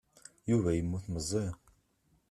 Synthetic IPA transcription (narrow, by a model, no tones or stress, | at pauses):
juvæjəmːuθməzˤːi